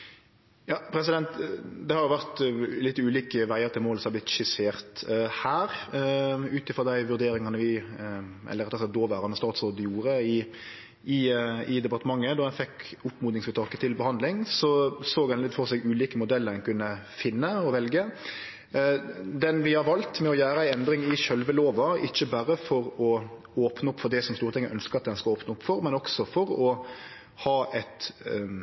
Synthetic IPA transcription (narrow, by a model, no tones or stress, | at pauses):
jɑːpʰɾɛs̬ɪd̪ɛnt̪d̪ɛhɑɾjʊʋæʁt̪lɪt̪ːʉːliːkəʋæɪəɾt̪ʰɪlmoːlsɔmɑblɪt̪ʃɪseːʁt̪hæːɾ | ʉːt̪ɪfʁɔʁd̪æɪʋʉɾd̪eːɾɪŋɑnəʋɪ | ʔɛ̰lːəɾɛt̪ːɔsɛt̪̚d̪oːʋæːɾɑnəst̪ɑːt̪soːd̪əjuːɾəɪ | ɪɪd̪ɛpɑʁt̪əmɑŋːəd̪ɔhɛnfɛkʊpmuːd̪nɪŋsmət̪ʰɑːkət̪ʰɪlbəhɑnd̪lɪŋsɔsoːɡɛnlɪt̪ːfɔɾsɛɡʉːliːkəmʊd̪ɛlːəɾɛnkʉnːə | fɪnːəɔʋɛlɡə | d̪ɛnʋɪhɑɾʋɑlt̪mɛɔjæːɾəæɪɛnd̪ɾɪŋɪʃœlʋəloːʋɑɪ̰çːəbæɾəfɔɾɔ | oːpnəʊpːfɔd̪ɛsɔmst̪uːɾət̪ʰɛŋːəʔœnskəʁɑt̪̚d̪ɛnskɑoːpnəʊpːfɔɾmɛnɔksɔfɔɾɔ | hɑːʔɛt̪